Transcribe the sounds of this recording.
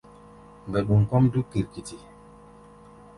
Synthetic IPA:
m˨bɛ˨ɗu˨ŋ˨kɔ˦mdu˦ki˨ɾki˨ti˨

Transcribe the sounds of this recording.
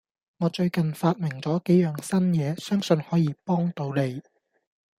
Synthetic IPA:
ŋɔː˨˧t͡ʃɵ˧ɥkɐ˨nfaː˧t̚mɪ˨˩ŋt͡sɔː˨˥ke˨˥jjœː˨ŋsɐ˥njɛː˨˧sœː˥ŋsɵ˧nhɔː˨˥jiː˨˧pɔː˥ŋt̪o˨˥wle˨˧j

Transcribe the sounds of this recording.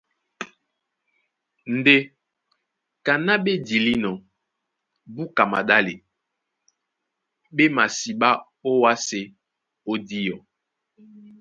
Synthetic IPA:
n̩˨de˦ | ka˨na˦ɓe˦di˨li˦nɔ˨ | bu˦ka˨ma̰˨ɗa˦li˨ | ɓe˦ma˨si˨ɓa˦ | o˦wa˦se˨ | o˦di˦jɔ˨

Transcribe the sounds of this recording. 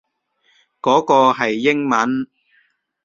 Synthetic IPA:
kɔː˨˥kɔː˧ɦɐ˨jːɪ˥ŋmɐ˨˥n

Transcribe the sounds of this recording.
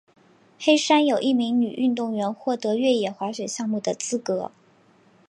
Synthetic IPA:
xe˥ɪʂa˥njo˨˩ʊʔi˥˩mi˧˥ŋny˨˩ʔy˥˧nt̪ʊ˥˩ŋɥɛ˧˥nxwɔ˥˩t̪ɤ˧˥ɥɛ˥˩jɛ˨˩xwa˧˥ʂwe˨˩ɕjɑ˥˧ŋmu˥˩d̪ə˩t͡sɹ̩˥kɤ˧˥

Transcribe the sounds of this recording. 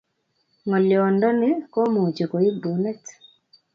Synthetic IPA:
ŋɔ˨ljɔ˨ndɔ˦nɪ˦ko˦mo˨t͡ʃe˨ko˨i˦bu˨nɛ˦t

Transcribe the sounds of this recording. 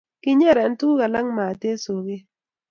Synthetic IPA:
kɪ˦ɲɛ˦ɾɛ˨˦n˦tu˦ka˨la˦ŋma˨te˦so˨ɡe˦

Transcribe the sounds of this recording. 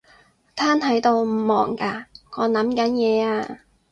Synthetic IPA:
t̪ʰaː˥nt̪ʰɐ˨˥jt̪o˧wm̩˨˩mɔː˨˩ŋkaː˧ŋɔː˨˧nɐ˨˥mkɐ˨˥njɛː˨˧aː˧

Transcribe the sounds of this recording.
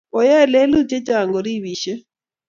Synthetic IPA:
ɔ˨ja˦˨lɛ˦lu˦t͡ʃʼɛ˦t͡ʃa˨ŋɡɔ˨ɾi˦βiː˨ʃɛ˦

